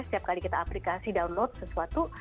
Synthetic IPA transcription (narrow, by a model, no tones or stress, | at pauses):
sə̥t̪iap̚kalikit̪aːplikasidaunlot̪̚səsuat̪u